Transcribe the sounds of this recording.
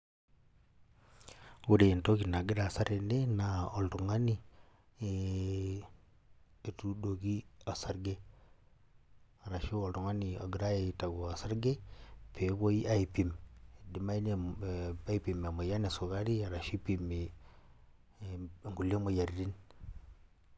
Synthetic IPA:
u˦ɾe˨nto˦ki˨na˨ɡɪ˦ɾa˨sa˦ɾe˨ne˦na˨o˨ltu˨ŋa˦ni˦ | e | e˨tu˦do˨ki˦a˨sa˦ɾɡe˦ | a˨ɾa˨ʃi˦o˨ltu˨ŋa˦ni˨a̰˨ɡɪ˨ɾa˦e˨ta˨ɡo˨a˨sa˦ɾɡe˦pʰe˨˦βo˦i˦a˦i˨pi˨m˨di˦ma˦i˦ne˨a˦i˦pi˨m˨a˨mo˨ja˦ne˨sʊ˨ka˦ɾi˦a˨ɾa˨ʃi˦pi˨mi˨ | ŋɡu˨li˦e˦mo˨ja˨ɾi˦ɾi˦n

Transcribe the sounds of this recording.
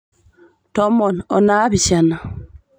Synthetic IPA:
tɔ˦mːɔ˨nɔ˨na˦bi˨t͡ʃa˨na˨

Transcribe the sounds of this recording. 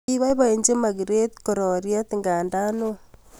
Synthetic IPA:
iβa˦iβae˨ɲd͡ʒe˦ma˨ɣiɾe˦t̪koɾo˨ɾja˦t̪iŋɡaː˨nda˦no

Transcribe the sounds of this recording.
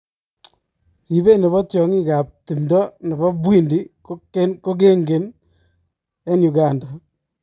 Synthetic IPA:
i˨be˦ne˨βɔ˦tjɔ˨ŋi˦ka˨p̚ti˨mdɔ˦ne˨bɔ˦bwi˦ndi˦koko˦k̬e˦ŋɡe˨n | e˦nju˨ɡa˨nda˨

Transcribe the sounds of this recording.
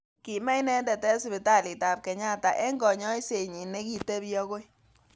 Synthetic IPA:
ki˨mɛ˦jnɛ˦ndɛ˨tɛ˦sɪ˦bɪ˨ta˦˨lɪ˨ta˨p̚kɛ˨ɲa˦ta˨ʔɛ˦ŋɡɔ˨ɲɔ˦i˦se˨ɲi˨ne˦ki˨te˦bjɔ˦ko˦j

